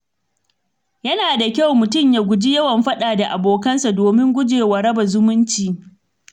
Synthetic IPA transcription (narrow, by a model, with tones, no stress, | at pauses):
jɐ˦naː˨da˨kʲa˦wmʊ˨tʊ˦˨mjaː˨ɡʷʊ˨d͡ʒi˦jɐ˦wɐ˨mɸɐ˦ɗaː˨da˨ʔa˨boː˨kɐ˦nsa˨doː˨mɪ˦ŋɡʷʊ˦d͡ʒeː˨wɐ˨ɾɐ˦bɐ˨zʊ˦mʊ˦nt͡ʃiː˨